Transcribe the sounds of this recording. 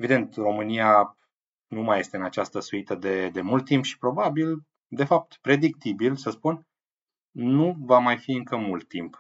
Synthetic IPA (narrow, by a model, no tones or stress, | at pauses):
e̞vid̪e̞nt̪ro̞mɨnija | numaje̞st̪eɨnat͡ʃast̪əsuit̪əd̪e̞d̪e̞mult̪̚ːimpʃi̥pɾo̞babil | d̪e̞fap̚t̪pɾe̞d̪ik̚t̪ibilsəspun | nːuvamajfiɨŋkəmult̪ːimp